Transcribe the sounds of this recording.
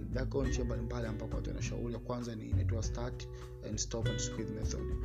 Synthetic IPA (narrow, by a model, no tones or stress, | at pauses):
vɛkɔnd͡ʒiambalimbaliambakɔa̰tɛ̰naʃa̰uɾijakwanzaninatɔastak | ɛ̃ndstɔpanskidmɛθa̰ld